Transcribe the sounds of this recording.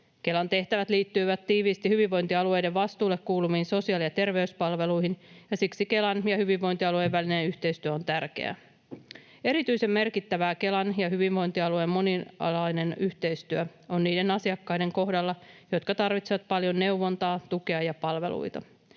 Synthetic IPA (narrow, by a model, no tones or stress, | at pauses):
ke̞lɑnt̪e̞ht̪æʋæt̪liːt̪ːyiʋæt̪t̪ːiːʋiːst̪ihyʋiʋːo̞jnt̪iɑlue̞jde̞ʋʋɑst̪uːlːe̞kkːuːlumiːnso̞siɑːlijɑt̪e̞rʋe̞yspɑlʋe̞lujɦinjɑsiksike̞lɑnjɑhyʋiʋːo̞jnt̪iɑlueʋːælinenyht̪e̞jst̪yøo̞nt̪ærk̟e̞̰æ̰ | e̞ɾit̪yise̞mme̞rkit̪ːæʋæːke̞lɑnjɑɦyʋiʋʋo̞jnt̪iɑluejmːo̞niɑ̰lɑjne̞nyht̪e̞jst̪yøo̞nniːde̞nɑsiɑkːɑjde̞ŋko̞ɦdɑlːɑjo̞t̪kɑt̪ɑrʋit̪seʋɑt̪̚pɑljo̞nːe̞uwʋo̞nt̪ɑːt̪uke̞ɑjɑpɑlʋe̞̰lṵjt̪ɑ